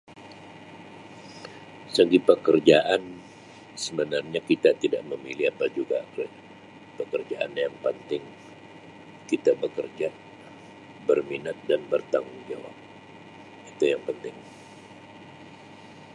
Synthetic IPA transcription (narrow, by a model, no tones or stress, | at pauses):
səɡipəkərd͡ʒaʔan | səbənarɲakit̪at̪ida̰ʔməmiliapad͡ʒuɡa | pəkərd͡ʒaʔa̰njaŋpənt̪ɪŋ | kit̪abəkərd͡ʒa | bərminat̪̚danbərt̪aŋʊŋd͡ʒawa̰p̚ | it̪ujaŋpənt̪ɪŋ